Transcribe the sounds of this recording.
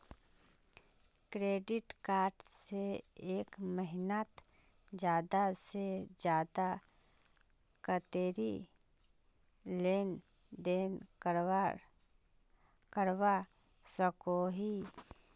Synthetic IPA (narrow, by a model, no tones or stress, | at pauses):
kɾeːɖɪʈkaːɾʈseeːkməɦɪnət̪ | d͡ʒjaːd̪ased͡ʒjaːd̪a | kət̪eːɾi | leːn | d̪eːn | kəɾwa | səkoɦi